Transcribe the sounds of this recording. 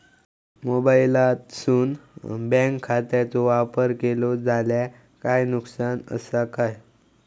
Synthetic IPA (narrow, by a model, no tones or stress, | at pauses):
mobailat̪suːnbɛ̃ŋkʰːat̪at͡sɔʋapəɾkelɔd͡zʱalja | kajnuksanə̰sakaj